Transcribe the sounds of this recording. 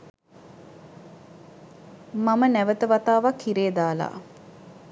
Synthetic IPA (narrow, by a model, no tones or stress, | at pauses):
mamənæʋət̪əʋat̪aːʋakʰːiɾeːd̪aːla̰ː